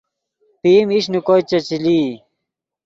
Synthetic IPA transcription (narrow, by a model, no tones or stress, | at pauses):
p̪iːmiɕnukojt͡ɕɐt͡ɕili